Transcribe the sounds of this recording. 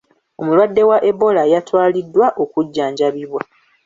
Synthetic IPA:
o̞mulwadːe̞waʔe̞bo̞lajatwaːlidːwaʔo̞kuɟːaːɲɟaβiβwa

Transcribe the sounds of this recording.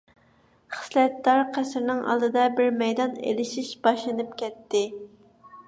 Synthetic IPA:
χə̥slɛt̪ːɑɾqʰæsɾnɪŋɑ̰lˠd̪ɨd̪ɑbɪɾmɛjd̪ɑnḛlɪʃiʃb̥ɑʃlˠɨnɨp̚kʲʰɛt̪ʰːɪ

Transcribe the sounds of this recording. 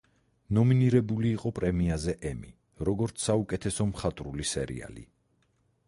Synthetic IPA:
nɔminiɾɛbuliːqʼɔpʼɾɛmiazɛʔɛmi | ɾɔɡɔɾt̪sʰsːaukʼɛt̪ʰɛsɔmχat̪ʼɾulisɛɾḭa̰lḭ

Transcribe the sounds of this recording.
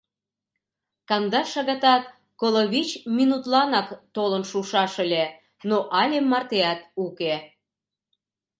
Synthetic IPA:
kɑnd̪ɑʃɑɣɑt̪ɑt̪̚ | koloβʲit͡ɕminut̪lɑnɑkt̪olənʃuʃɑʃəlʲe | noʔɑlʲemːɑrt̪eɑt̪uke

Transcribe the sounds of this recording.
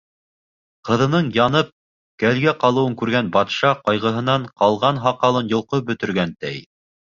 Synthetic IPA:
qɤ̆ðɤ̆nɤɴjɑnɤp̚ | kælɡæqɑlˠɤ̆wɤ̆ŋkʉɾɡænbɑt̪ʃɑqɑjʁɤ̆ɦɤ̆nɑɴqɑlˠʁɑnɦɑqɑlˠɤnjŏlˠqɤbɵ̆t̪ɵ̆ɾɡænt̪æj

